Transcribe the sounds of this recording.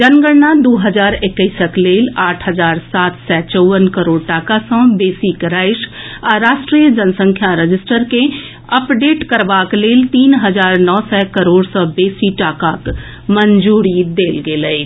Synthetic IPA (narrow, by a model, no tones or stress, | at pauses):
d͡ʒənɡəɽnad̪oːɦəzaːɾɪkːəɪsəkleːlaːʈʰɦəzaːɾsaːt̪ʰsɛt͡ʃɔːʋənkəɾoːɽʈaːkasɔ̃beːsikɾaːɪʃ | ɔːɾaːʃʈɾijəd͡ʒənsə̃ŋkʰjaɾəd͡ʒɪsʈəɾkẽ | ɐpɖeːʈkəɾʋaːkleːlt̪iːnɦəzaːɾnɔːsɛkəɾoːɽsɔ̃ːbeːsiʈaːkaːk | məɲd͡ʒuːɾid̪eːlɡeːləi